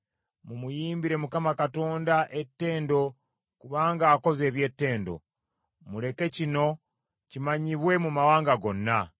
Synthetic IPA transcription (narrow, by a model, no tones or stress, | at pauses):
mumujiːmbiɾe̞mukamakato̞ːndaʔe̞tːe̞ːndo̞ | kuβaːŋɡaːko̞ze̞ːβje̞ːtːe̞ːndo̞̰ | mule̞ke̞cino̞ | cimaɲiβwe̞mumawaːŋɡaɡo̞nːa